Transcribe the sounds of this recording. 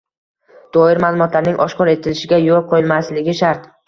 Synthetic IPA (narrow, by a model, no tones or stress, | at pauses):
d̪̥ɒɪɾmaːlˠʊmɒt̪ʰlaɾnɪŋʔɒʃqɒɾe̞t̪ʰɪlɪʃɪɡʲajolˠqʰojɪlmaslɪɡʲɪʃaɾt̪